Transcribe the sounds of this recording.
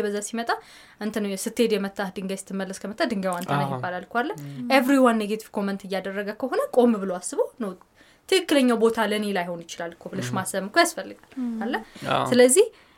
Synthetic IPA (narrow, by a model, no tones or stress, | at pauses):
bəzːasimət̪ʼa | ʔɨnt̪ʰənəwjɛsɨt̪ʰːe̞d̪jɛmət̪ʰʼːahd̪ɨŋɡajsɨ̥t̪ʰːɨmːəlːəskʰəmət̪ʼːad̪ɨŋɡawant̪ʰənajibːalalkʰʷalːəʔevɾiwanːeɡet̪ʰiv̥kʰo̞mɛnt̪ʰɨjːad̪ərːəɡəkʰəɦo̞nəkʼo̞mbɨloasːɨβonəw | t̪ʰɨkɨkːɨləɲːawbo̞t̪ʰaləne̞lajho̞njɪt͡ʃɪlalːkʰoblɨʃmasəβɨkʰojasfəlːɨɡalːalːəsɨləzːih